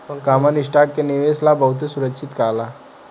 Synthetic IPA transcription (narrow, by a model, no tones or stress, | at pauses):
kamənisʈak̚keniʋeslabəɦut̪̬esuɾəkɕʰit̪kala